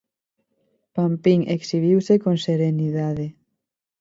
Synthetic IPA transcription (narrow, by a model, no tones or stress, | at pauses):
pampiŋeksiβ̞iwsekonseɾeniðaðe